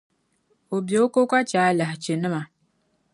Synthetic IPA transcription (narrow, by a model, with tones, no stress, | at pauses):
o˨bjo˨o˦ko˦ka˦t͡ʃaː˨˦la˨ht͡ʃe˨nɨ˦ma˨